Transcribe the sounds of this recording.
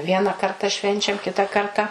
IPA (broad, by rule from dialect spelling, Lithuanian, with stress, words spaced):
ˈʋʲiɛnɐ ˈkɐrtɐ ˈʃʲʋʲɛnʲt͡ʃʲɛm ˈkʲɪtɐ ˈkɐrtɐ